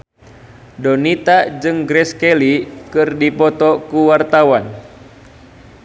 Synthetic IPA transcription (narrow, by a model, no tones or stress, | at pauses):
dɔnit̪ad͡ʒɨŋɡɾɛskɛlikɨrdipɔt̪ɔkuwart̪awan